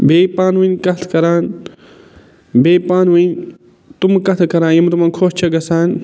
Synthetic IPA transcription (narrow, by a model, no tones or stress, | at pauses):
beːpaːnʋɨnkɐt̪ʰkɐɾaːn | beːpaːnʋɨn | t̪umkɐt̪ʰkɐɾãːnjɐmt̪umɐnkʰoːst͡ʃʰɐɡɐsaːn